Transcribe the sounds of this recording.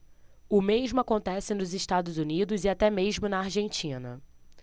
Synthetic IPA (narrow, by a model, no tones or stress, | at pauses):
ʊmeʒmʊakõnt̪ɛsɪnʊzɪʃt̪ad̪ʊzunid̪ʊzɪat̪ɛmeʒmʊnɐaɾʒẽnt͡ʃĩnɐ̰